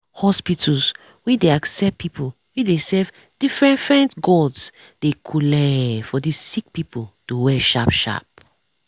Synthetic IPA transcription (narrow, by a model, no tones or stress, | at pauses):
hɔspitʰɔs | wɛdeaksɛp̚pipʰo | widesɛv | d̥ifɹɛ̃nfɛ̃ntɡɔds | d̥ekʰulɛfɔdissik̚pipotuwɛʃapʃa̰p̚